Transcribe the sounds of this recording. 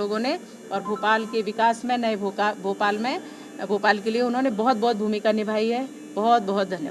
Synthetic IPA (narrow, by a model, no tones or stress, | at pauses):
oːɡõne | ɔːɾbʱoːpaːlkeʋɪkaːsmẽnɐebʱokabʱoːpaːlmẽ | bʱoːpaːlkelieʊnɦõnebɔɦʊt̪̚bɔɦʊt̪̚bʱuːmikanɪbʱaːiɦɛ | bɔɦʊt̪̚bɔɦʊt̪̚d̪ʱɐnjə̰